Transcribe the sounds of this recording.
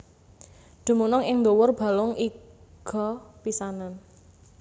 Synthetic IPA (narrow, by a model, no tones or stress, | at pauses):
ɖ̪̥ṳmunɔŋɪŋnd̪owʊrb̥a̤lʊŋiɡ̥ɔ̤pisanan